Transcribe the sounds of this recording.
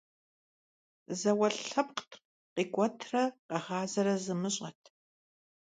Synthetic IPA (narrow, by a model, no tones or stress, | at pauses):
zɐwɐɬɐpqtʰ | qiːkʷʼɔtʰrɐqɐʁaːzɐɾɐzɨmɨɕʼɐtʰ